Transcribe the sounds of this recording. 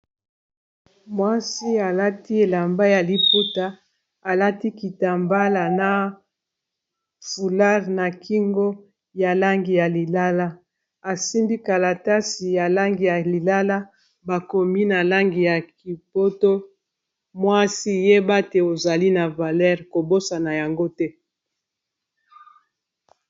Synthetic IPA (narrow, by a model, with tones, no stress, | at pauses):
mwa˦si˦a˨la˦ti˦e˨la˨mba˦ja˨li˨pu˦ta˦ | a˨la˦ti˦ki˨ta˨mba˦la˨na˨ | fu˨la˦ʁna˨kʰi˦ŋɡo˦ | ja˨la˦ŋɡi˨ja˨li˨la˦la˦ | a˨si˦mbi˦ka˨la˨ta˦si˨ja˨la˦ŋɡi˨ja˨li˨la˦la˦ | ba˨ko˨mi˦na˨la˦ŋɡi˨ja˨ki˨po˦to˦ | mwa˦si˦je˦ba˦te˨o˨za˨li˦na˨va˨lɛ˦ʁko˨bo˦sa˨na˨ja˨ŋɡo˦tɛ˦